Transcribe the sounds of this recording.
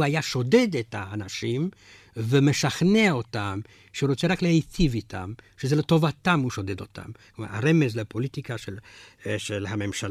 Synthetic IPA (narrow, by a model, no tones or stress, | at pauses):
ajaʃo̞de̞d̪et̪haːnaʃim | vemeʃaχneo̞t̪am | ʃeuɾot͡seɾaklehet͡sivitʰa̰mʃezelet̪o̞vat̪amhuʃo̞d̪ed̪o̞t̪a̰mkma̰a̰ɾemezlepo̞lit̪ikaʃelʃelhame̞mʃal